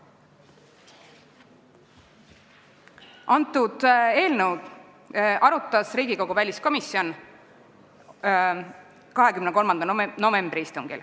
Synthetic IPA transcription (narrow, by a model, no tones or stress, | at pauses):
ɑnt̪ːˑud̪̥e̞ːlnəw | ʔɑɾut̪ˑːɑsriːɡiko̞ɡ̥uvælʲisko̞misio̞n | kɑɦe̞kymneko̞lmɑnd̪ɑno̞ve̞mb̥riist̪uŋɡ̥ḭl